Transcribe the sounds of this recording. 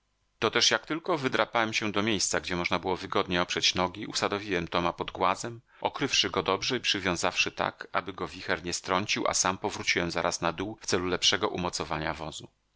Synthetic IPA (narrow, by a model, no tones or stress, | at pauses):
t̪ɔt̪ɛʂjak̚t̪ɘlkɔvɘd̪ɾapawɛmɕɛ̃d̪ɔmʲjejst̪saɡd͡ʑɛmɔʐnabɘwɔvɘɡɔd̪ɲɛɔpʂɛt͡ɕnɔɡʲiʔusad̪ɔvʲiwɛmt̪ɔmapɔd̪ɡwazɛm | ʔɔkɾɘfʂɘɡɔd̪ɔbʐɛipʂɘvʲjɔ̃w̃zafʂɘt̪a̰ka̰bɘɡɔvʲixɛɾɲɛst̪ɾɔɲt͡ɕiwʔa̰sampɔvɾut͡ɕiwɛmzaɾʔasnad̪uwft̪sɛlulɛpʂɛɡɔʔumɔt̪sɔvaɲavɔzu